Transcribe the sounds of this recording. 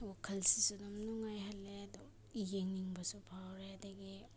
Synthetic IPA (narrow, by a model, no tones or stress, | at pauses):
wakʰɐlsisunɐmnuŋajɦalːeadu | ijeŋniŋbɐsupʰawɾeadɐɡi